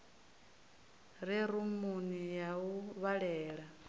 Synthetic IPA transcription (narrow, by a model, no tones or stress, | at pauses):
ɾiɾumunijauβaɺɛːɺa